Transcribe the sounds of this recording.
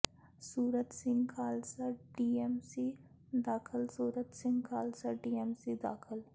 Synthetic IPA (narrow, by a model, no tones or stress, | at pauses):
suːɾət̪sɪ̃ŋɡkʰaːlsaɖiːemsi | d̪aːkʰɪlsuːɾət̪sɪ̃ŋɡkʰaːlsəɖiːemsid̪aːkʰɪl